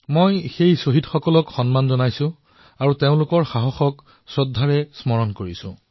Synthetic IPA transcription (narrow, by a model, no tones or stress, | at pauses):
mojxejsoɦitxɔkɔlɔkxɔnmanzɔnajsʊ̃ | aɹuteʊ̃lʊkɔɹxaɦɔxɔk | sɔdʱːaɹɛsmɔɹɔnkoɹisʊ̰̃